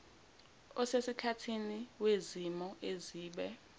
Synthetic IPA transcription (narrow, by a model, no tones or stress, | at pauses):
ɔsesikʰatʰiniwezimɔʔeziːɓɛ